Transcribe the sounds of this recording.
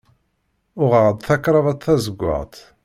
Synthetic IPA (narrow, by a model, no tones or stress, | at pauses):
ʊʁəʁd̪ˤθækːɾˤɑvɑt̪ˤθæzəɡʷːa̰ʁt̪